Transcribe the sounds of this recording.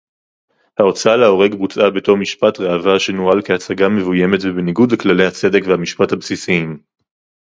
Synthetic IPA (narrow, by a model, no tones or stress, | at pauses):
hao̞t͡saaleo̞ʁe̞ɡbut͡sʔabe̞to̞ʁmiʃpatʁeavaʃenuʁalkeat͡saɡame̞vuje̞me̞tvebeniɡud̪leklale̞jhat͡se̞de̞kvehamiʃpathabsisiim